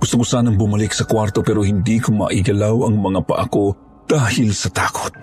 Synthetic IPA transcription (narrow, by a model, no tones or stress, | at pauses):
ɡʊst̪ʊkʊsaːnɐŋbʊmalɪksɐkwaɾt̪o̞pɛɾohɪnd̪ikʊmɐ̰ʔɪɡɐlawɐŋmɐŋapɐ̰ʔɐ̰ko̞ | d̪̥aːhɪlsɐt̪aːko̥t̪̚